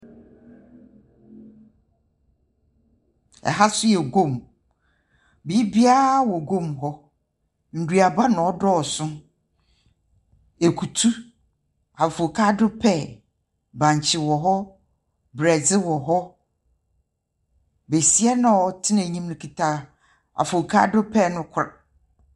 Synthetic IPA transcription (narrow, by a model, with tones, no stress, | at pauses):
ɛ̰˨ɦa˦sʊ˦jɛ˨ɡo˦˨m | bi˦bi˦a˦wɔ˨ɡõ˦˨mɦɔ˦ | n̩˨dɥa˨ba˦nʊ̃˨ɔ˦dɔ˦ɔ˨sʊ̃˦ | e˨kʰu˨tʰu˦ | a˨fo˨kʰa˦dʊ˦pʰɛ˦˨ | bã˨ɲ˨t͡ɕʰɪ˨wɔ˨ɦɔ˦ | bɾɛ˨d͡zɪ˦wɔ˨ɦɔ˦ | be˨si˦ɛ˦nã˨ɔ˨tʰɪ˦nã˨ɲĩ˦mnʊ̃˦kʰi˨tʰa˦ | a̰˨fo˨kʰa̰˦dʊ˦pʰɛ˦˨nʊ̃˦kʰʊ˨ɾa˨